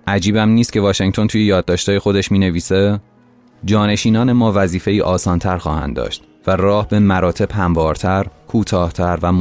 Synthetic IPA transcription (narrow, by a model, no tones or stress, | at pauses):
ʔæd͡ʒiːbæmniːst̪̚cʰe̞vɒːʃeŋt̪ʰo̞nt̪uːje̞jɒːd̪̚ːɒːʃt̪ʰɒːje̞xo̞d̪e̞ʃmiːne̞viːse | d͡ʒɒːne̞ʃiːnɒːne̞mɒːvæziːfe̞iːʔɒːsɒːnt̪ʰæɾxɒ̰ːhæ̰nd̪d̪ɒ̰ːʃt̪ | værɒːhbe̞mæɾɒːt̪ʰe̞b̥hæmvɒːɾt̪ʰæɾkʰuːt̪ʰɒːht̪ʰæɾvæm